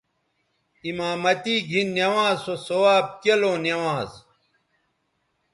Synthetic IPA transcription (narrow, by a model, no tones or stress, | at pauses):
imaːmɐt̪iːɡʱinːjɐwãːzosowaːb̚kɐloːnjɐwãːz